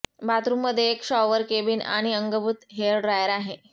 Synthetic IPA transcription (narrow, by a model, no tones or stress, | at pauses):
bat̪ɾumːəd̪ʱːjeːkɕɔʋəɾkebiːna̰ɽ̃iəŋɡəbut̪ɦeɭɖɾajəɾaɦe